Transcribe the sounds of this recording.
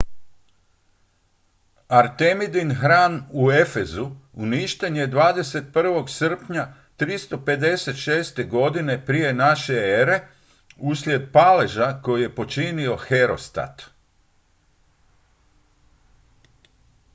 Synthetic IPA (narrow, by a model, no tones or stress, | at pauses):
aɾt̪emid̪inxɾaːnue̞fe̞zuuniʃt̪eɲed̪ʋaːd̪e̞se̞t̪̚pr̩ʋo̞ɡsr̩pɲa | t̪ɾist̪o̞pe̞d̪e̞se̞t̪ʃeːst̪e̞ɡo̞d̪ine̞pɾije̞naʃe̞eɾe̞ | uslʲje̞d̪pale̞ʒako̞jije̞po̞t͡ʃinio̞xe̞ɾo̞st̪a̰t̪